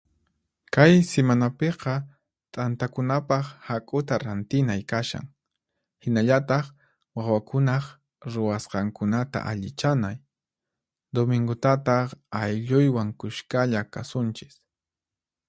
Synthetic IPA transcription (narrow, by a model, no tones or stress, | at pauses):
kajsemanapeqɑ | t̪ʼant̪akʊnapɑχhakʼʊt̪aɾant̪ɪnajkaʃa̰ŋ | hɪnaʎat̪ɑχ | wawakʊnaχ | ɾʊwasqɑŋkʊnat̪a̰ʔaʎɪt͡ʃanaj | d̪omɪŋɡʊt̪at̪ɑχajʎʊjwaŋkʊʃkaʎakasʊnt͡ʃɪ̥s